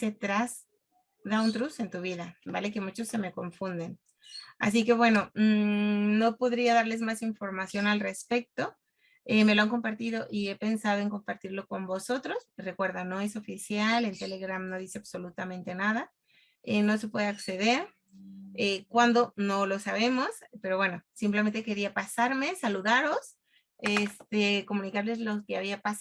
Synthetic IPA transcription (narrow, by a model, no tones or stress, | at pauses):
se̞t̪ɾaz | ðaunt̪ɾuse̞nt̪uβ̞iðabale̞ke̞mut͡ʃo̞sːe̞me̞ko̞ɱfund̪e̞n | a̰s̬ike̞βwe̞no̞ | no̞po̞ðɾiaðaɾle̞zmasiɱfo̞ɾmasjo̞nalre̞spe̞k̚t̪o̞ | eme̞loaŋko̞mpaɾt̪ið̞o̞ʔie̞pe̞nsaðo̞e̞ŋko̞mpaɾt̪iɾlo̞ko̞mbo̞so̞t̪ɾo̞sre̞kwe̞ɾðano̞e̞so̞fisjale̞nt̪ele̞ɣɾamno̞ðise̞aβso̞lut̪amẽ̞nt̪e̞naða | eno̞se̞pwe̞ðe̞akse̞ð̞e̞ɾ | ekwand̪o̞no̞lo̞saβe̞mo̞spe̞ɾo̞βwe̞no̞simp̬lemẽ̞nt̪e̞ke̞ɾiapasaɾme̞saluðaɾo̞s | est̪eko̞mũnikaɾle̞zlo̞keaβiapas